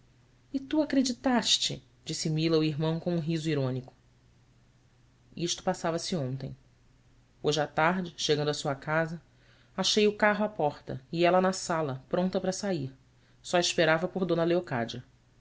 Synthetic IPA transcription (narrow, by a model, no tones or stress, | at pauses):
ɪt̪uakɾed͡ʒit̪aʃt͡ʃɪ | d͡ʒisɪmilɐuiɦmɐ̃w̃kõũɦizʊiɾõnikʊ̥ | iʃt̪ʊ̥pasavɐsɪõnt̪ẽj̃ | oʒɪat̪aɦd͡ʒɪʃeɡɐ̃nd̪ɐsuɐkazɐ | aʃejʊkaɦʊapɔχt̪ɐ̰iɛlɐnɐsalɐpɾõnt̪ɐpɾɐsaiɾ | sɔiʃpeɾavɐpoɾd̪õnɐleoka̰d͡ʒɐ